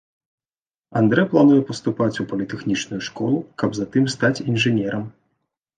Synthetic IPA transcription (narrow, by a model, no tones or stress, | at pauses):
and̪ɾɛplˠanujɛpɐst̪upat͡sʲupɐlʲit̪ɛxnʲit͡ʂnujuʂkɔlˠukɐbzat̪ɨmst̪at͡sʲinʐɨnʲɛɾɐm